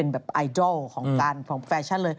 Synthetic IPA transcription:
e˧nbɛː˨˩p̚ʔaː˧jdɔ˥˩lkʰɔː˩˦ŋkaː˧nkʰɔ˩˦ŋfɛː˧t͡ɕʰa˥˩lɤː˧j

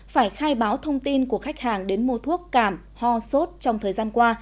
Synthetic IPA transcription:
faː˧˩jxaː˧jɓaː˨˦wt̪ʰə˧wŋ͡mt̪i˧nku˧˩əxa˦˥jk̚haː˨˩ŋɗe˨˦nmo˧t̪ʰu˦˥əkːaː˧˩m | hɔ˧so˦˥t̚t͡ɕɔ˧wŋ͡mt̪ʰəː˨˩jzaː˧nkwaː˧

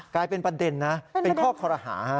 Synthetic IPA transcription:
klaː˧jpe˧npa˧de˧nːa˦˥pe˧nkʰɔː˥˩kʰɔː˧ɾa˧ɦa̰ː˩˦ha˦˥˩

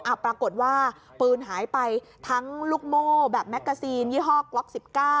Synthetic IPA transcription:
ʔa˧˩pɾa˧ko˨˩t̪̚waː˥˩ | pɯː˧nɦaː˩˦jpa˧j | t̪ʰa˦˥ŋluː˥˩k̚moː˥˩bɛː˨˩p̚mɛ˦˥k̚ɡa˧siː˧njiː˥˩ɦɔː˥˩klɔ˦˥k̚si˨˩p̚kaː˥˩

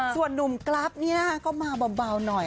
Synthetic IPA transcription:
su˨˩ənːu˨˩mkla˦˥p̚ni˦˥ɐkɔː˥˩maː˧bɔ˧baː˧wnɔ˨˩j

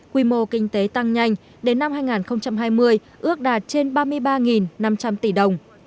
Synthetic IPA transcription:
kwi˧mo˧˩kï˧ŋ̟t̪e˨˦t̪a˧ŋɲa˧jŋ̟ | ɗe˨˦nːa˧mhaː˧jŋaː˨˩nxə˧wŋ͡mt͡ɕa˧mɦaː˧jmɨ˧əj | ʔɨ˦˥ək̚ɗaː˨˩t̚t͡ɕe˧nɓaː˧mɨ˧əjɓaː˧ŋi˨˩nːa˧mt͡ɕa˧mt̪i˧˩ɗə˨˩wŋ͡m

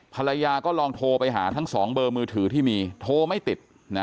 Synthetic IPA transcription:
pʰa˧la˧jaː˧kɔː˥˩lɔː˧ŋt̪ʰoː˧pa˧jɦa̰ː˩˦t̪ʰa˦˥ŋsɔː˩˦ŋbɤː˧mɯː˧t̪ʰɯː˩˦t̪ʰiː˥˩miː˧t̪ʰoː˧ma˥˩jt̪i˨˩t̪̚ | na˦˥

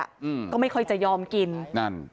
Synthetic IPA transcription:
kɔː˥˩ma˥˩jkʰɔ˧˩jt͡ɕa˨˩jɔː˧mki˧nna˦˥˩n

